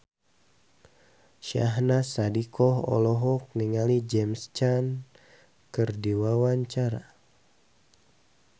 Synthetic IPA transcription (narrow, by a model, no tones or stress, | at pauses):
ʃa̰ɦnasadikɔɦɔ̰lɔɦɔk̚niŋalid͡ʒɛmst͡ʃan | kɨrdiwawaɲt͡ʃaɾa